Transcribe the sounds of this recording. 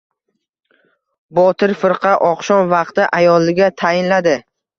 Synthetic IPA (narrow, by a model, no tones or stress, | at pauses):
bɒt̪ʰɪɾfɪɾqʰɑʔɒqʃɒnvɑqt̪ɪʔajɒlˠːɪɡʲat̪ʰajɪnlad̪ɪ